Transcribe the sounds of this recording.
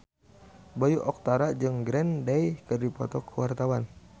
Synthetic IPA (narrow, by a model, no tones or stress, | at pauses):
bajuʔɔk̚t̪aɾad͡ʒɨŋɡɾɛndɛjkɨrdipɔt̪ɔkʰəwart̪awan